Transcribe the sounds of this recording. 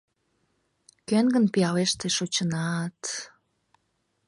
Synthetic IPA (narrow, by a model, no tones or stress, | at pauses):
kønɡənpijɑleʃt̪eʃot͡ɕənɑt̪